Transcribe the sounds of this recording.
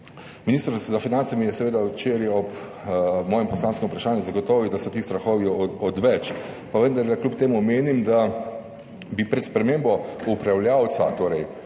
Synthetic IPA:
miniːst̪ɾzafinant̪samijɛsɛʋeːd̪awt͡ʃeɾjɛɔp | mɔːjɛmpɔslaːnskɛmupɾaʃaːnjɛzaɡɔt̪ɔːʋiwd̪asɔt̪iːst̪ɾaxɔːʋiɔd̪ʋɛt͡ʃ | paʋənd̪aɾlɛklupt̪eːmumeːnimd̪a | bipɾɛt̪spɾɛmembɔupɾawlʲjawt̪sa̰t̪oːɾɛj

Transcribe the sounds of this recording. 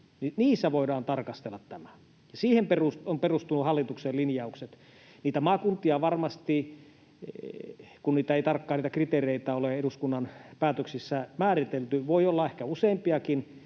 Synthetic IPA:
niniːsːæʋoidɑːnt̪ɑrkɑst̪elːɑt̪t̪æmæ | jɑsiːhemperusomperust̪unuhɑlːit̪ukselinjɑukset̪ | niːt̪æmɑːkunt̪ˑiɑʋɑrmɑst̪i | kunniːt̪æeit̪ɑrkːɑːniːt̪ækrit̪ereit̪æoleeɾuskunːɑnpæːt̪øksisːæmæːrit̪elt̪yʋoiolːɑehkæuseːmpiɑkin

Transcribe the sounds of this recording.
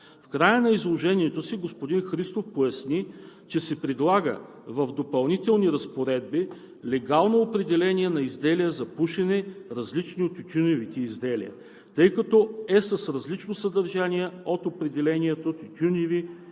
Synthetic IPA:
fkɾajənɐizlˠoʒɛnʲiɛt̪osiɡospod̪inxɾist̪ofpojɐsnit͡ʃɛsɛpɾɛd̪lˠaɡə̰ | vɐvd̪opɐlˠnit̪ɛlˠniɾɐspoɾɛd̪̚bi | lɛɡalˠnoːpɾɛd̪ɛlɛnʲiɛnɐizd̪ɛlijəzɐpuʃɛnɛɾɐzlit͡ʃniot̪ut̪ʲunɛvit̪ɛizd̪ɛlḭə̰ | t̪ɤjkɐt̪ɔɛsɐsɾɐzlit͡ʃnosɐd̪ɐɾʒaniɛot̪opɾɛd̪ɛlɛniɛt̪ot̪it̪ʲunevi

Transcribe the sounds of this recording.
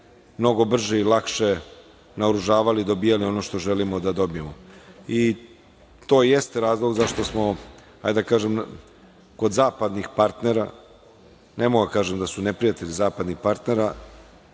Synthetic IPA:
mno̞ɡo̞br̩ʒeilˠakʃe̞ | naoɾuʒaːʋalid̪o̞biːjalio̞no̞ʃt̪o̞ʒe̞limod̪ad̪o̞bijemoi | t̪o̞ːje̞st̪eɾaːzlˠoɡzaʃt̪o̞smo̞ha̰jd̪akaːʒem | ko̞d̪zaːpad̪nixpaɾt̪ne̞ɾa̰ | nemoɡd̪akaːʒemd̪asunepɾijat̪e̞ʎizaːpad̪nixpaɾt̪ne̞ɾa

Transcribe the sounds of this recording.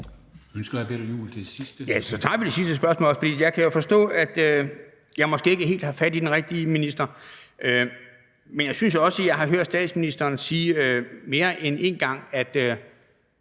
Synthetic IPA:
ønsɡ̥ɐ̥d̥æb̥eɾ̥jṵːlt͡sʰe̥esisd̥əjæsɒ̽t͡sʰɑ̈ːʋid̥e̝sisd̥əsb̥ɶɐsmɔ̰ːlɒsfɒd̥ḭːjɑ̈ɪkʰæjo̝fɒ̽sd̥ɔ̰̽ːæd̥ø | jɑ̈ɪmɒ̽sɡ̥e̝ːe̝ɡ̥əɦe̝̰ːld̥hɑ̈fæd̥id̥enʁɛɡ̥̚d̥iminisd̥ɐʔø | menjɑ̈ɪsynsjɒ̽səjɑ̈ɪɦɑ̈ɦøɐ̰d̥sd̥ɛ̰ːd̥sminisd̥ɐːnsiːøme̝ːɐʔene̝ːnɡ̥ɑ̈ŋ̰æd̥ø

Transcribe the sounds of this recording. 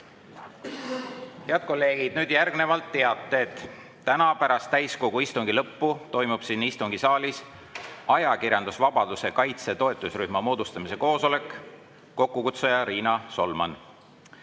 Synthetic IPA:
he̞ɑd̪̚ko̞lːe̞ːɡ̥id̪̥̚nyːd̪̥jærɡ̥ne̞vɑlt̪ːe̞ɑt̪ːˑeːt̪ː | ænɑpæɾɑst̪ːæjsko̞ɡ̥uist̪uŋɡ̥ilɤpːut̪o̞jmub̥sinist̪uŋɡ̥isɑːlʲis | ɑjɑkiɾjɑnd̪usvɑb̥ɑd̪use̞kɑjt̪se̞t̪o̞e̞t̪ːˑusryhmɑmo̞ːd̪ust̪ɑmise̞ko̞ːso̞le̞kˑː | o̞kːukut̪sojɑɾiːnɑso̞lmɑ̰n

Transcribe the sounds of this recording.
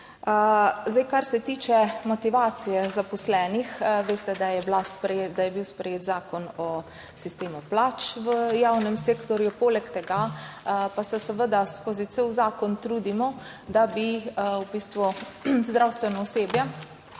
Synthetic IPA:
əzd̪ajkaɾsɛt̪iːt͡ʃɛmɔt̪iʋaːt̪sijɛzapɔslɛːnixʋeːst̪ɛd̪ajɛblaspɾd̪ajɛbiwspɾɛjeːt̪zaːkɔnɔ | sist̪eːmuplaːt͡ʃʋəjawnɛmseːkt̪ɔɾjupoːlɛkt̪ɛɡa | pasɛsəʋəd̪askoːzit̪sewzaːkɔnt̪ɾuːd̪imɔ | d̪abiubist̪ʋu | zd̪ɾawst̪ʋɛnɔɔseːbjɛ

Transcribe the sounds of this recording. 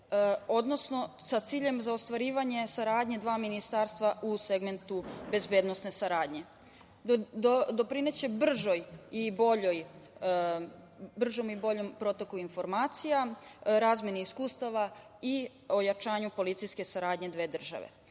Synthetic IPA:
o̞d̪no̞sno̞ | sat̪siːʎe̞mzaost̪ʋaɾiːʋaɲe̞saɾaːd̪ɲed̪ʋaːminist̪aːɾst̪ʋaʔuse̞ɡme̞nt̪ube̞zbed̪no̞sne̞saɾaːd̪ɲe̞ | d̪o̞pɾine̞t͡ɕe̞br̩ʒojibo̞ʎoj | br̩ʒo̞mibo̞ʎo̞mpɾo̞t̪okuinfo̞ɾmaːt̪sijaɾaːzmje̞niiskuːst̪aʋa | i | o̞jat͡ʃaːɲupo̞lit̪sijske̞saɾaːd̪ɲe̞d̪ʋe̞ːd̪r̩ʒa̰ʋḛ

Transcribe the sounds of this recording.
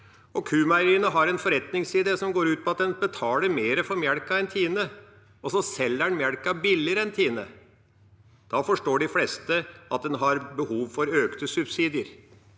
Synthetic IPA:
ɔkʰʉːmæɾiːnəɦɑɾɛnfɔɾɛt̪nɪŋsiːd̪əsɔmɡoːɾʉːt̪̚pʰɔɑt̪̚d̪ɛnbət̪ʰɑːləɾmeːɾəfɔɾmjæɽkɑɛnt̪ʰiːnə | ɔsɔsɛlːæɳmjæɽkɑbɪlːɪəɾəɛnt̪ʰiːnə̰ | d̪̥ɑfɔʂʈoːɖɪflɛst̪əɑt̪̚d̪ɛnɦɑɾbəhuːʋfɔɾøːkt̪əsʉbsiːd̪ɪəɾ

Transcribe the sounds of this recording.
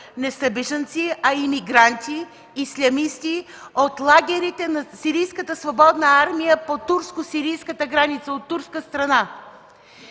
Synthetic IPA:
nɛsɐbɛʒənt̪siɐimiɡɾant̪iː | slʲɐmist̪i | ot̪lˠaɡʲɛɾit̪ɛnɐsiɾijskət̪əsvobɔd̪nəaɾmijəpot̪uɾskosiɾijskət̪əɡɾanit̪səot̪ːuɾskəst̪ɾɐna

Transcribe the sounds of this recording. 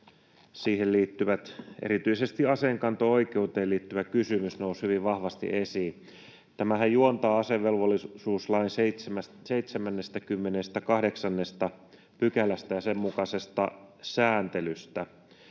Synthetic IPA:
siːhelliːt̪ːyʋæt̪ḛɾit̪yisest̪iɑseŋkɑnt̪oo̞ik̟eut̪eːliːt̪ːyʋækysymysnoushyʋiʋʋɑhʋɑst̪ḭʔesiː | t̪æmæhæjjuont̪ɑːɑseʋʋelʋolːˑisuːslɑinseseæseit̪semænːest̪ækymːenest̪ækɑhdeksɑnːest̪ɑ | pykælæst̪æjɑsemːukɑsest̪ɑ̰sæːnt̪elyst̪æ

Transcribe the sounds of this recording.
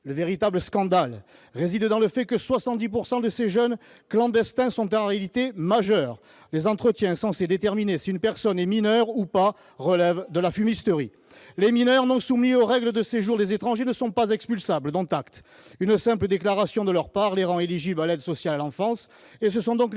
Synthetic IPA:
ləveʁit̪abləskɑ̃d̪al | ʁezid̪d̪ɑ̃ləfɛkəswasɑ̃t̪̚d̪ip̬uʁsɑ̃d̪əseʒœn | klɑ̃d̪ɛst̪ɛ̃sɔ̃t̪ɛ̃ʁealit̪emaʒœʁ | lezɑ̃t̪χət̪jɛ̃sɑ̃sed̪et̪ɛʁminesiynpɛʁsɔnɛminœʁupa | ʁəlɛvd̪əlafymist̪əʁi | leminœʁnɔ̃sumnioʁɛɡləd̪əseʒuʁd̪ezet̪χɑ̃ʒenəsɔ̃pazɛkspylsabləd̪ɔ̃t̪akt̪ | ynsɛ̃pləd̪eklaʁasjɔ̃d̪əlœʁpaʁleʁɑ̃eliʒiblalɛd̪sɔsjalalɑ̃fɑ̃s | es̬əsɔ̃d̪ɔ̃k

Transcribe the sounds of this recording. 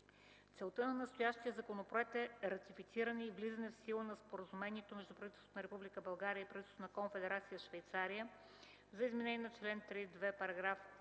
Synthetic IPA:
t̪sɛlˠt̪ənɐnɐst̪ojaʃt̪ijəzɐkonopɾoɛk̚t̪ɛɾɐt̪ifit̪siɾənɛivlizənɛfsilˠənɐspoɾəzumɛniɛt̪omɛʒd̪upɾɐvit̪ɛlˠst̪onəɾɛpublikəbɐlˠɡaɾijəipɾɐvit̪ɛst̪onɐkonfɛd̪ɛɾat̪sijəʃvɛjt̪saɾijə | zɐizmɛnɛnʲɛnɐt͡ʃlɛnt̪ɾid̪vɛpɐɾɐɡɾaf

